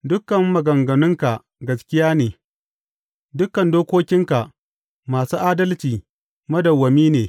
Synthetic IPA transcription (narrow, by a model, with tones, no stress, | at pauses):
dʊ˦kːɐ˨mːɐ˨ɡɐ˨ŋɡɐ˨nʊ˦ŋka˨ʔ | ɡɐ˦skʲɪ˦jaː˦neː˨ | dʊ˦kːɐ˨ndoː˦kʷoː˦kʲɪ˦ŋka˨ʔ | maː˨suː˦ʔaː˦dɐ˦lt͡ʃiː˨ | mɐ˦dɐ˨wːɐ˨miː˦neː˨